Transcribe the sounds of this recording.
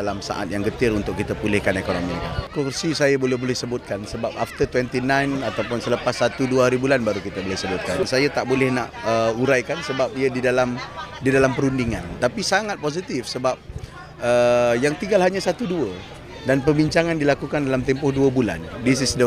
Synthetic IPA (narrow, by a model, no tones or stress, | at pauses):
alamsa̰ʔa̰t̪̚jaŋɡət̪ɪɾunt̪ʊkːit̪apulɪhkanekonomḭk̪a̰kursisajabolɛhbolɛhsəbʊt̪̚kansəbap̚aft̪ərt̪wɛnt̪inãjnat̪awpʊnsələpasːat̪uduəɦaɾibulanbaɾukit̪abolɛhsəbʊt̪̚kansajat̪aʔbolɛhnaʔəuɾajkansəbap̚iədidalamdidalampəɾundiŋãnt̪apisaŋat̪̚pos̬it̪ɪfsəbap̚ | əjaŋt̪iŋɡalɦaɲasat̪uduə | danpəbiɲt͡ʃaŋandilakukandalamt̪ɛmpʊhduəbula̰ndis̬isdə